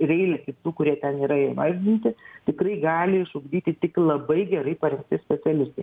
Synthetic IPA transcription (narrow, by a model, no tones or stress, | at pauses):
rʲɛɪlʲɛkʲɪt̪uːkʊɾʲiɛt̪ʲɛniːɾɐɪmɑːʒʲɪnʲɪnʲt̪ʲɪt̪ʲɪkɾɐɪɡɑːlʲɪɪʃʊɡd̪ʲiːt̪ʲɪt̪ʲɪklˠɐbɐɪɡʲɛɾɐɪpɐɾʲɛŋk̚t̪ʲɪsʲpʲɛt̪sʲɛlʲɪst̪ɐɪ